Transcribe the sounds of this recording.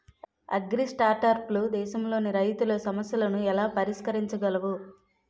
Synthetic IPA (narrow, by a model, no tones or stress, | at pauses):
ɐ̰ɡɾisʈaːɾʈɐɾplud̪ɛːʃɐmlo̞ːniɾɐjt̪ulɐsɐmɐsjɐlɐnuɛlaːpɐɾiʂkɐɾiɲt͡ʃɐɡɐlɐʋu